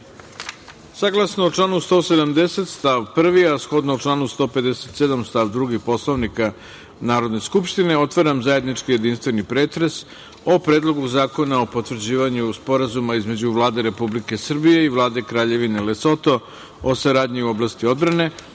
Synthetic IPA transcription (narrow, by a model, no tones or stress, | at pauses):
saɡlˠasnoot͡ʂlˠaːnust̪o̞ːsed̪amd̪e̞se̞t̪st̪aʋpr̩ʋiasxo̞d̪nooʈ͡ʂlˠaːnust̪o̞ːpe̞d̪e̞se̞t̪sed̪amst̪aʋd̪ɾuɡipo̞slˠoʋnika | naːɾo̞d̪ne̞skupʃt̪ine̞o̞t̪ʋaɾamzaje̞d̪nit͡ʂkijed̪inst̪ʋe̞nipɾe̞ːt̪ɾe̞s | o̞pɾeːd̪lˠo̞ɡuzaːko̞nao̞po̞t̪ʋr̩d͡ʑiːʋaɲuspo̞ɾazumaizme̞d͡ʑuʋlˠaːd̪e̞ɾe̞publike̞sr̩bije̞iʋlˠaːd̪e̞kɾaːʎe̞ʋine̞leso̞t̪o̞ | osaɾaːd̪ɲiuo̞blast̪io̞d̪bɾane̞